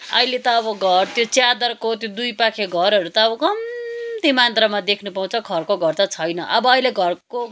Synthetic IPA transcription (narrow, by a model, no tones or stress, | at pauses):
ʌilet̪ʌːbʌɡʱʌrt̪jot͡sjad̪ʌrkot̪jod̪ujpakʰeɡʱʌɾʌɾut̪ʌːbʌkʌmt̪imant̪rʌmad̪ekʰnupaũt͡sʰʌkʰʌrkoɡʱʌrt̪ʌt͡sʰʌjnʌʔʌbʌːileɡʱʌrko